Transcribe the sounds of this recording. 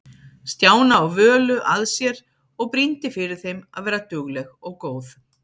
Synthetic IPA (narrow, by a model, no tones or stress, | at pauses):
st̪jaːwnaɔɣvœːlʏʔaðsjɛɾ | ɔɣpɾint̪ɪfɪɾɪɾ̥θejma̰ðvɛːɾat̪ʏɣlɛɣɔɣkoːwθ